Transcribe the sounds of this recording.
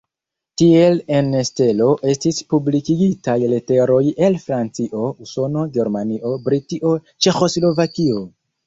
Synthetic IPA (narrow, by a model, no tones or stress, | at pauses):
tie̞le̞neste̞lo̞ʔe̞stispublikiɡitajlete̞ɾo̞je̞lfɾant͡siʔo̞uso̞no̞ɡe̞ɾmaniʔo̞bɾitiʔo̞ | t͡ʃe̞xo̞slo̞vakio̞